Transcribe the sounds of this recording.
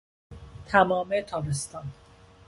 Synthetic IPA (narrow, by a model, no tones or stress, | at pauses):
t̪ʰæmɒːmet̪ʰɒːbest̪ɒːn